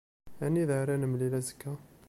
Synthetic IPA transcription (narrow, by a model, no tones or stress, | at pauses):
ænːiðaɾænəmlilæzə̥kːæ